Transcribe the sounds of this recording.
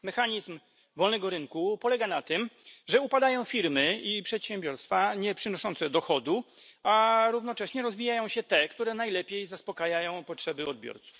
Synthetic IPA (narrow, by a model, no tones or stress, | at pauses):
mɛxaɲizm | vɔlnɛɡɔɾɘŋkupɔlɛɡanat̪ɘmʐɛupad̪ajɔ̃w̃fʲiɾmɘipʂɛt̪ɕɛmbʲjɔɾst̪faɲɛpʂɘnɔʂɔntsɛd̪ɔxɔd̪uaɾuvnɔt͡ʂɛɕɲɛɾɔzvʲijajɔ̃w̃ɕɛt̪ɛkt̪uɾɛnajlɛpʲjejzaspɔkajajɔ̃w̃pɔtʂɛbɘɔd̪̚bʲjɔ̰ɾt̪su̥f